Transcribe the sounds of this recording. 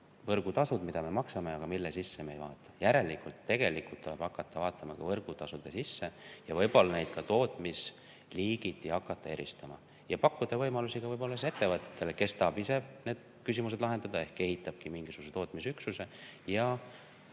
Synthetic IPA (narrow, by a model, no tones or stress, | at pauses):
vɤrɡ̥ut̪ɑsud̪mid̪̥ɑme̞mɑksɑme̞ɑɡ̥ɑmilːesisːe̞me̞jvɑ̰ːt̪ːˑɑ̥jæɾe̞likːult̪ːe̞ɡ̥e̞likult̪ːuleb̥ɑkːˑɑt̪ʰːɑvɑːt̪ːˑɑmɑkɑvɤrɡ̥ut̪ɑsud̪̥esisːe̞jɑvɤjbo̞lːɑne̞jd̪̥̚kɑt̪o̞ːt̪ːˑmis | liːɡ̥it̪ˑːihɑkˑːɑt̪ːˑɑe̞ɾḭst̪ɑmɑ̰ | jɑpɑkːud̪̥ɑvɤjmɑlusiɡ̥ɑvɤjbo̞lːɑseet̪ːevɑt̪ːˑe̥t̪ːˑe̞leke̞st̪ɑɦːbise̞ne̞ːd̪̥ | kysimus̬e̞d̪lɑɦe̞nd̪̥ɑd̪ɑe̞hkːe̞ɦit̪ːˑɑb̥̚kimiŋɡ̥isuɡ̥us̬et̪o̞ːt̪misyksuse̞jɑ